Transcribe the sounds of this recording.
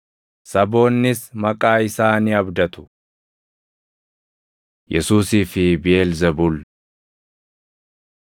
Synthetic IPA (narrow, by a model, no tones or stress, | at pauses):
sɐbo̞ːnːɪsmɐkʼaːɪsaːniːɐbd̪ɐt̪ʊ̥ | jɛsuːsiːfɪbɪeːlzɐbʊl